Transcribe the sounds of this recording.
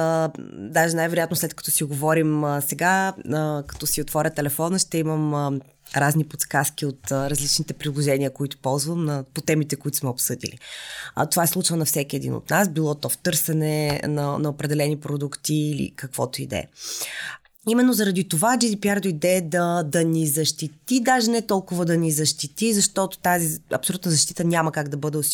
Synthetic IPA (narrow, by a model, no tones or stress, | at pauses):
d̪aʒɛnajvɛɾojat̪nʊslɛt̪̚kɐ̥t̪ɔsiɡovɔɾimsɛɡaəkɐ̥t̪ɔsiot̪vɔɾʲət̪ɛlɛfɔnəʃt̪ɛiməm | ɾaznipot̪skaskʲiot̪ɾɐzlit͡ʃnit̪ɛpɾilˠoʒɛniəkoit̪ʊ̥pɔlˠzvəmnɐpot̪ɛmit̪ɛkoit̪ʊ̥smɛopsɤd̪ḭlḭt̪ovaɛslˠut͡ʃvənɐfsɛkʲiɛd̪ḭno̰t̪nasbilˠɔt̪ɔft̪ɤɾsɛnɛnɐnɐopɾɛd̪ɛlɛnipɾod̪ukt̪iːlḭkəkvɔt̪oid̪ɛ̰ɛ̰ | imɛnːozɐɾɐd̪it̪ovad͡ʒid̪ipʲjaɾd̪oid̪ɛːd̪ɐd̪ɐnizɐʃt̪it̪id̪aʒɛnɛt̪ɔlˠkʊvəd̪ɐnizɐʃt̪it̪izɐʃt̪ɔt̪o̥t̪aziɐ̰psolut̪nəzɐʃt̪it̪ənʲaməkaɡd̪ɐbɤd̪ɛʊs